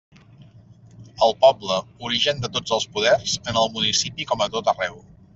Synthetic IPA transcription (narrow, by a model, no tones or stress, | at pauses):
əlˠpɔbləuɾiʒənd̪ət̪od͡zəlˠspuðɛrzənəlˠmunisipikɔmət̪ot̪ərɛw